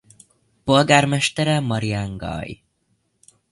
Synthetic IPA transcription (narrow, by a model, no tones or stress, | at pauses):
po̞lɡaːrmɛʃt̪ɛɾɛmɒɾijaŋɡɒ̰j